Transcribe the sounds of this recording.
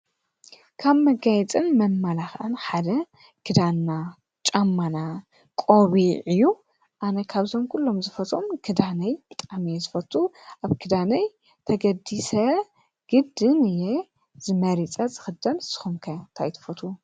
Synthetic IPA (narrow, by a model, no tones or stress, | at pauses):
kʰaβmɐɡajɛt͡sʼɨnmɐmːalaxʔanħad̪ɐ | kʰɨd̪anːa | t͡ʃʼamːana | kʼoβiʕɨjːu | ʔanɐkʰaβzomkʰulːo̞mzɨfɐt̪ʼomkʰɨd̪anɐjbɨt̪ʼamijezɨfɐt̪ʼːuʔaβkʰɨd̪anɐj | t̪ʰɐɡɐd̪isɐ | ɡ̥ɨd̪ɨnɨje | z̥ɨmɐɾit͡sʼɐzɨxɨd̪ɐlsɨ̥xumkʰɐnt̪ʰajt̪ʰɐ̥fɐt̪ʰʼu